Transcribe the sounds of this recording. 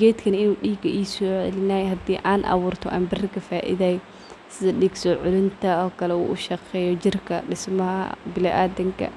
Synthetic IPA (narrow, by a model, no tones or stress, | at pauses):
ɡɛːt̪kʰɐnɐɪnuːɗiːɡɐʔiːsɔːʕɛ̰lɪnaːjhɐd̪iːʔaːnʔɑ̰wuːrt̪ʰɔ̰ʔa̰ːmbɪrkʰɐfaːʔɪ̰ðaːj | sɪðɐɗiːɡsɔːʕʊlɪnt̪ʰɐɔːkʰɐlɛṵːʔʊʃɑqɛːjɔd͡ʒɪrkʰɐɗɪsmɐhɐ̰bɪlɛʔaːd̪ɐŋkʰɐ̰